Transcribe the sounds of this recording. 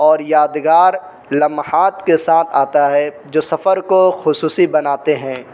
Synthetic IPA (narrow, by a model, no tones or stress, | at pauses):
ɔːɾjaːd̪ɡaːɾ | lɐmhaːt̪kesaːt̪ʰaːt̪aɦɛ | d͡ʒoːsɐfəɾkoxʊsuːsibɐnaːt̪eɦɛ̃ː